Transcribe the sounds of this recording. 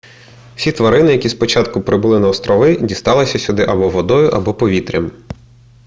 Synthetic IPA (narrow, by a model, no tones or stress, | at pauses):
sʲit̪ʋɐɾɪnɪjɐkʲispɔt͡ʃɑt̪kʊpɾɪbʊlˠɪnɐɔst̪ɾɔʋɪdʲist̪ɑlˠɪsʲɐsʲʊd̪ɪʔɐbɔʋɔd̪ɔjʊʔɐbɔpɔʋʲit̪ɾʲim